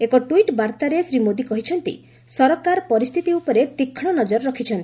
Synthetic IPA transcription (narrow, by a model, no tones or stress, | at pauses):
ekɔʈuiʈbaɾt̪aɾesɾimod̪ikɔɦit͡ʃʰɔnt̪ḭ | sɔɾɔkaɾpɔɾist̪ʰit̪iupɔɾet̪ikʰɽ̃ɔnɔd͡ʒɔɾɾɔkʰit͡ʃʰɔnt̪i